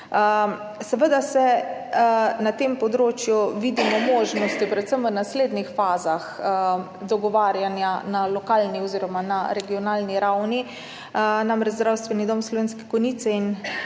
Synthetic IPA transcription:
sɛʋəd̪asɛ | nat̪eːmpɔd̪ɾoːt͡ʃjuʋid̪imɔmoːʒnɔst̪ipɾɛt̪səmʋənasleːd̪nixfaːzax | d̪ɔɡɔʋaːɾjanjanalɔkaːlniɔziːɾɔmanaɾɛɡiɔnaːlniɾawni | namɾɛd͡ʒzd̪ɾawst̪ʋɛnid̪omslɔʋeːnskɛ̥kɔnit̪sɛin

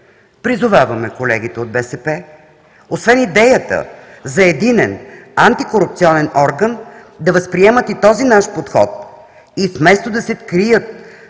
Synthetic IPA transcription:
pɾizʊvavəmɛkolɛ̰ɡ̟it̪ɛod̪̚bɛsɛpɛ | osvɛnid̪ɛjət̪ə̰ | zɐɛd̪inɛnant̪ikoɾup̚t̪siɔnɛnɔɾɡən | d̪ɐvəspɾiɛmət̪it̪ɔzinaʃpot̪xɔ̰t̪̚ | ifmɛst̪od̪ɐsɛt̪kɾijət̪̚

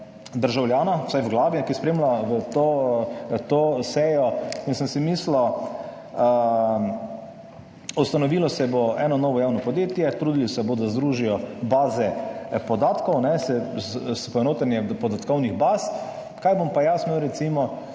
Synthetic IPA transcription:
d̪əɾʒawljaːnawsajwɡlaːʋjɛkispɾeːmlaʋət̪o | t̪osɛjɔinsənsɛmislɔ | ə | ɔst̪anɔʋiːlɔsɛboɛːnɔnɔːʋɔjaːwnɔpɔd̪jeːt̪jɛt̪ɾuːd̪ilɔsɛbod̪azd̪ɾuːʒijɔbaːzɛpɔd̪aːt̪kɔwnɛsɛspɔɛnoːt̪anjɛpɔd̪at̪kɔwniɣbaːs | kajbompajasməwɾɛt̪simɔ

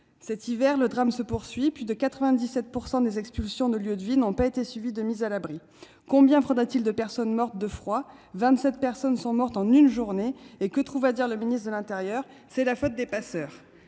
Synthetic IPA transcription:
sɛt̪ivɛʁləd̪ʁamsəpuʁsɥiplyd̪əkat̪χəvɛ̃d̪isɛt̪̚puʁsɑ̃d̪ezɛkspylsjɔ̃d̪əljød̪vinɔ̃paet̪esɥivid̪əmizalabʁi | kɔ̃bjɛ̃vʁɑ̃d̪ʁat̪ild̪əpɛʁsɔnmɔʁt̪̚d̪əfχwavɛ̃t̪sɛt̪̚pɛʁsɔnsɔ̃mɔʁt̪ɑ̃nynʒuʁneekət̪χuvad̪iʁləminist̪χd̪əlɛ̃t̪eʁjœːʁ | sɛlafot̪̚d̪epasœːʁ

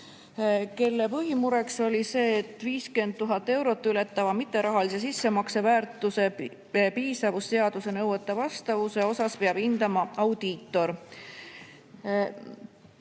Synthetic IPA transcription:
ke̞lːepɤɦimuɾe̞kso̞lʲise̞ːt̪ːˑviːske̞nd̪̚t̪ːuɦɑt̪ːˑe̞wɾo̞t̪ːyle̞t̪ːˑɑvɑmit̪ːˑe̞ɾɑɦɑlise̞sisːe̞mɑkse̞væːɾt̪ːˑuse̞ | piːsɑvust̪e̞ɑd̪̥use̞nɤwt̪ːˑɑvɑst̪ɑvuseo̞sɑspeɑb̥ind̪ɑmɑɑwd̪̥iːt̪ːˑo̞ɾ

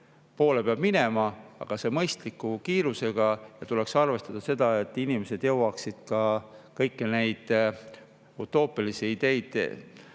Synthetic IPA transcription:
po̞ːle̞peɑb̥mine̞mɑɑ̰ɡ̥ɑse̞mɤjst̪likːˑukiːɾuse̞ɡ̥ɑjɑt̪ule̞ksɑrve̞st̪ɑd̪̥ɑse̞d̪̥ɑe̞t̪ːˑinime̞se̞d̪̥jɤ̞wɑksid̪̥kɑkɤjkːine̞jd̪̥ | ut̪ːˑo̞ːpːˑilisiid̪̥e̞jd̪̥̰

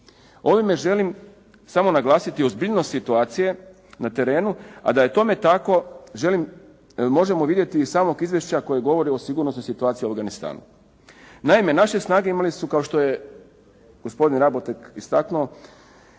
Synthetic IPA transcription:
o̞ʋime̞ʒe̞lim | samo̞naɡlˠaːsit̪iozbiʎnost̪sit̪uaːt̪sije̞ | nat̪e̞ɾe̞ːnua̰d̪aje̞t̪o̞me̞t̪ako̞ʒe̞lim | mo̞ʒe̞moʋid̪je̞t̪iːsaːmo̞ɡizʋje̞ʃt͡ɕako̞jeɡo̞ʋo̞ɾio̞siɡuɾnosno̞jsit̪uaːt̪siuafvɡanist̪a̰ːnṵ | naime̞naʃe̞snaːɡe̞imalisukaoʃt̪o̞je̞ | ɡ̥ospo̞d̪inɾabot̪ekist̪aknuo

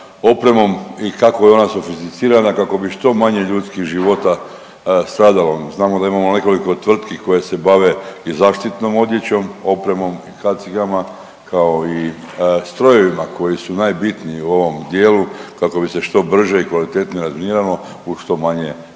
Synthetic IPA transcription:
o̞pɾe̞mo̞mikako̞jeo̞naso̞fist̪it̪siːɾanakako̞biʃt̪o̞maɲe̞ʎuːt̪skixʒiʋo̞t̪a | st̪ɾaːd̪aloznaːmod̪aimamo̞ne̞ko̞liko̞t̪ʋr̩t̪kiko̞jese̞baʋe̞izaːʃt̪it̪no̞mo̞d̪je̞t͡ɕo̞mo̞pɾe̞mo̞mikat̪sikama | kao̞i | st̪ɾo̞je̞ʋimakʰo̞jisunajbit̪niiuo̞ʋo̞md̪je̞ːlukako̞bise̞ʃt̪o̞br̩ʒeikʋalit̪e̞t̪niɾazminiɾalo | uʃt̪o̞maɲe̞

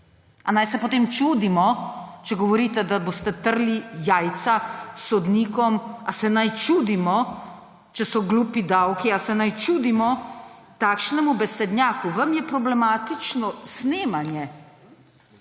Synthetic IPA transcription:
anajsɛpot̪eːmt͡ʃuːd̪imɔt͡ʃɛɡɔʋɔɾiːt̪ɛd̪aboːst̪ɛt̪əɾlijaːjt̪sasɔd̪niːkɔmasɛnajt͡ʃuːd̪imɔ | t͡ʃɛsɔɡluːpid̪awkiasɛnajt͡ʃuːd̪imɔ | t̪aːkʃnɛmubɛsɛd̪njaːkuʋɐmjɛpɾɔblɛmaːt̪it͡ʃnɔsneːmanjɛ

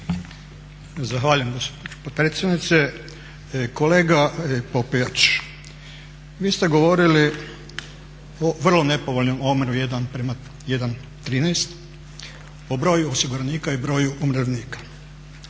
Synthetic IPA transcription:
zaxʋaːʎujemɡospopɾeːt̪sjed̪nit̪se | koleːɡapopijat͡ʃ | ʋiːst̪e̞ɡo̞ʋo̞ɾili | oʋr̩lˠo̞ne̞poʋoʎno̞momɾujed̪anpɾema | jed̪an | t̪ɾiːnest̪ | obɾo̞ːjuosiɡuɾaniːkaibɾo̞ːjuʔumɾeʋniːkḁ

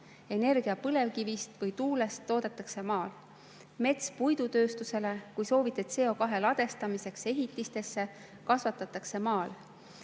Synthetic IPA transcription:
e̞ne̞rɡ̥iɑpɤle̞vkivist̪vɤjt̪uːle̞st̪ːo̞ːd̪̥et̪ːˑɑkse̞mɑːl | me̞t̪spujd̪̥ut̪ø̞ːst̪use̞le̞kujso̞ːvit̪ːˑet̪se̞ːo̞kɑɦe̞lɑd̪̥e̞st̪ɑmise̞kse̞ɦit̪ːˑist̪e̞sːe̞ | kɑsvɑt̪ːˑɑt̪ːˑɑkse̞mɑːl

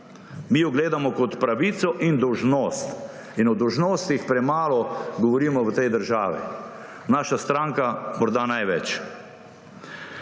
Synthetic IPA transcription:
miːjɔɡleːd̪amɔkɔt̪pɾaʋiːt̪sɔʔind̪ɔwʒnoːst̪ | inɔd̪ɔwʒnoːst̪ixpɾɛmaːlɔɡɔʋɔɾiːmɔʋət̪ɛjd̪əɾʒaːʋḭ | naːʃast̪ɾaŋkamɔɾd̪aːnajʋɛt͡ʃ

